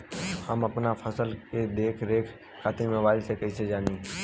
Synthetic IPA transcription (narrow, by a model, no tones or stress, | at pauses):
həməpnafʰəsəlked̪eːkʰɾeːkʰ | kʰaːt̪imẽʋaːlsekɐised͡ʒaːniː